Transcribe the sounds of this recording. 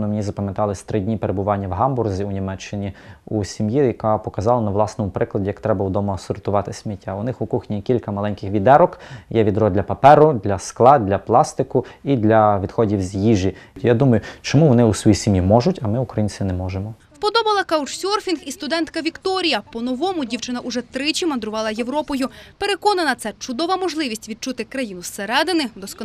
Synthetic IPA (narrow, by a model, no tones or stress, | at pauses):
nɔmenʲizɐpɐmjɐt̪ɑlˠɪsʲt̪ɾɪdʲnʲipeɾebʊʋɑnʲːɐwɦɑmbʊrzʲiʊnʲimɛt͡ʃːɪnʲiusʲimjijɐkɑpɔkɐzɑlˠɐnɐʋlˠɑsnɔmʊpɾɪklˠɐdʲijɐkt̪ɾɛbɐud̪ɔmɐɐsɔrt̪ʊʋɑt̪ɪsʲmʲitʲʰːaʊnɪxʊkuxnʲikʲilʲkɐmɐlˠɛnʲkɪxʋʲid̪ɛɾɔkjɛʋʲid̪ɾɔd̪ʲlʲɐpɐpɛɾʊd̪lʲɐsklˠɑd̪ʲlʲɐplˠɑst̪ɪkʊid̪lʲɐʋʲid̪xɔdʲiwzʲjiʒijad̪umɐjʊt͡ʃɔmuʋɔnɪusʋɔjisʲɪmʲjimɔʒʊtʲɐmɪʊkɾɐjinʲt͡sʲɪnɛmɔʒemɔ | wpɔd̪ɔbɐlˠɐkɐwt͡ʃsʲɔrfʲinxist̪ʊd̪ɛnt̪kɐʋʲikt̪ɔɾʲijɐpɔnɔʋɔmʊdʲiwt͡ʃɪnɐʔuʒɛt̪ɾɪt͡ʃʲimɐnd̪ɾʊʋɑlˠɐje̞ʋɾɔpɔjʊpeɾe̞kɔnɐnɐt̪sɛt͡ʃʊd̪ɔʋɐmɔʒlˠɪʋʲisʲtʲʋʲid̪̚t͡ʃut̪ɪkɾɐjinʊseɾɛd̪ɪnɪd̪ɔsk̪